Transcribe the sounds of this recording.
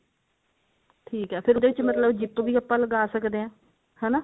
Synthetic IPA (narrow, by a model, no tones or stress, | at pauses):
ʈʰiːkɦɛːpʰɪɾd̪eːʋɪt͡ʃmət̪ləbd͡ʒɪpʋiːəpːaːləɡaːsəkd̪eːãː | hɛːnaː